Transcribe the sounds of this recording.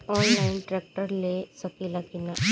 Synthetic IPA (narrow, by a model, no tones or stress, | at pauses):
ɔːnlaːɪnʈɾɛːk̚ʈəɾlesɐkilakina